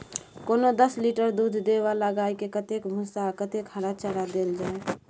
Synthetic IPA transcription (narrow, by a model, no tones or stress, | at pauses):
konod̪əsliʈəɾd̪ud̪ʱd̪eβaləɡajkekət̪ekbʱũsakət̪ekhəɾat͡ʃəɽad̪eld͡ʒae